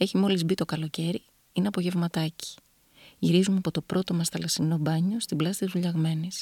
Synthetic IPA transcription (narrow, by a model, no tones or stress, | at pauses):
e̞çimo̞lizbit̪o̞kɐlo̞ce̞ɾi | ineɐpo̞ʝe̞vmɐt̪ɐci̥ | ʝiɾizumɐpo̞t̪o̞pɾo̞t̪o̞mɐsθɐlɐsino̞bɐɲo̞st̪iblɐsi̥t̪izuʎɐɣme̞nis